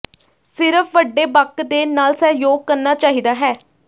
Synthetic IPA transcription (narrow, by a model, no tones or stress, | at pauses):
sɪɾəfʰʋəɖːeːbəkːd̪eːnaːlsɛːjoːɡ̚kəɾnaːt͡ʃaːɦiːd̪aːɦɛː